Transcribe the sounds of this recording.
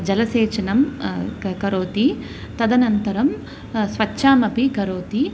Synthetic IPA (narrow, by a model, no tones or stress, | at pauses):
d͡ʒɐlɐseːt͡ʃɐnɐm | kɐɾoːt̪i | t̪ɐd̪ɐnɐnt̪ɐɾɐm | sʋɐtːʃʰaːmɐpiɡɐɾoːt̪i